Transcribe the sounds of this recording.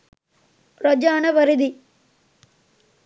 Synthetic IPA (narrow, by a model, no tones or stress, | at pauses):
ɾod͡ʒaːnɐʋɐɾid̪i